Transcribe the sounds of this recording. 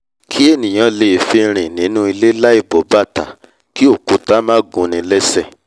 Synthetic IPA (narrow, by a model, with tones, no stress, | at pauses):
kʰi˦e˦˨nĩ˨j̃ã˨˧le˨fi˧ɾ̃ĩ˨nĩ˨˦nũ˦i˧le˦la˦i˦˨bɔ˨˦ba˦˨ta̰˨ | ki˦o˦˨ku˨˦ta˦mãː˦ɡũ˨˧nĩ˨˧˦lɛ˦sɛ˦˨